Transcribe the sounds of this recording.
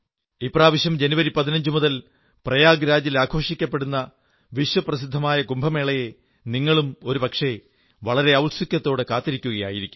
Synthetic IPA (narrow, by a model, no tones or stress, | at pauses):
ipraːʋɐɕjɐmd͡ʑe̞nuʋɐɾipɐðinɐɲd͡ʑumuðɐl | prɐjaːɡɾaːd͡ʑilaːɡʰʱo̞ːʂikʲːɐpːe̞ɽunːɐ | ʋiʂwɐprɐsid̪ʱːɐmaːjɐkumbʱɐme̞ːɭɐje | niŋːɐɭumo̞ɾupɐkʂe̞ | ʋɐɭɐɾe̞ɐwlsikʲːɐt̪ːo̞ːɽɨkaːt̪ːiɾikʲːuɣɐja̰ːjiɾikʲːu̥m